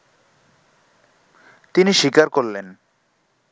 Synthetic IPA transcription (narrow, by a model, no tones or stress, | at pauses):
t̪iniʃikaɾkolːen